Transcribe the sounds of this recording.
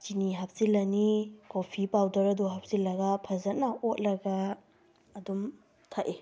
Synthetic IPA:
t͡ʃiniɦɐp̚zilɐnikopʰipawdɐɾɐduɦap̚zilːɐɡɐpʰɐzɐt̚nɐʔot̚lɐɡɐː | dum | tʰaʔe

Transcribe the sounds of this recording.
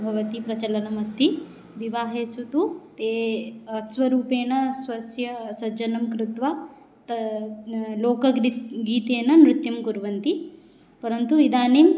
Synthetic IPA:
bʱɐʋɐt̪ipɾɐt͡ʃɐlɐnɐmɐst̪ʰi | ʋiʋaːɦeːsut̪ut̪eːɐsʋɐɾuːpeːnɐsʋɐsjɐsɐd͡ʒɐnɐmkɾut̪ʋa | t̪ | loːkɐɡɾiɡiːt̪eːnɐnɾut̪jɐmkuɾʋɐnt̪i | pɐɾɐnt̪uid̪aːniːm

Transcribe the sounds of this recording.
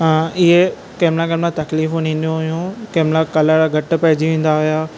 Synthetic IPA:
ɪɦe | keːmlakeːmɾãt̪ɐkliːfũnĩːnd̪ijõɦʊjũkeːmlakɐləɽɡʱɐʈʊ̆pɐɦɪd͡ʑiʋẽːn̆d̪aɦʊjaː

